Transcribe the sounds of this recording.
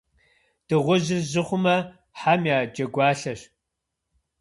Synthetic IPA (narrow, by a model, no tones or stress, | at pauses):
d̥ɨʁʷʊʑɪrʑɪχʷʊmɐ | ħamjaːd͡ʒɐɡʷɑːɬɐɕ